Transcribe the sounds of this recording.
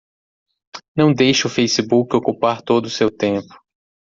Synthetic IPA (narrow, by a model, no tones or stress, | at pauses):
nɐ̃w̃d̪ejʃʊʊfejsibukɪokupaɾt̪od̪ʊsewt̪ẽpʊ̥